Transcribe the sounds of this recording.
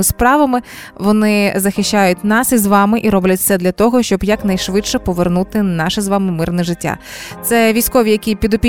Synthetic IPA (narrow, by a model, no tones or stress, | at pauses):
ɪspɾɑʋɐmɪ | ʋɔnɪzɐxɪʃʲt͡ʃːajʊtʲnɑsizʋɑmɪʔiɾɔblʲɐt̚ʲt̪sɛd̪lʲɐt̪ɔɦɔʃt͡ʃɔbjɐkn̪ɐjʃʋɪt͡ʃʃɛpɔʋernut̪ɪnɑʃɛzʋɑmɪmɪrnɛʒɪtʲːa̰t̪sɛʋʲisʲkɔʋʲijɐkʲipʲid̪ɔpʲi